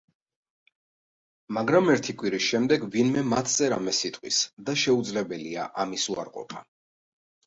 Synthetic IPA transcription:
maɡɾamɛɾt̪ʰikʼwiɾisʃɛmd̪ɛɡvinmɛmat̪ʰzʼɛɾamɛsit̪ʼqʼwḭsd̪aʃɛud̪zlɛbɛlia̰ʔamisua̰ɾqʼɔ̰pʰa

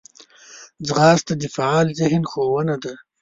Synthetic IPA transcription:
d͡zʁɑːst̪ad̪ifaɑːlzɪhnxowənad̪a

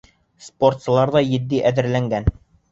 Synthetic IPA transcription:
spo̞rt̪sɤ̆lˠɑɾðɑjɘ̆d̪ːiʔæðɘ̆ɾlæŋɡæn

